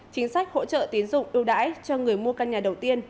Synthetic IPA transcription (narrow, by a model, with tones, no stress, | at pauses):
t͡ɕï˨˦ŋ̟sa˦˥jk̚ho̰˧˥t͡ɕə̰ː˧˨t̪i˨˦ənzʊ̰˧˨ŋ͡mʔɨ˧əwɗa̰ː˧˥jt͡ɕɔ˧ŋɨ˨˩əjmu˧əkaː˧nɲaː˨˩ɗə˨˩wt̪i˧ən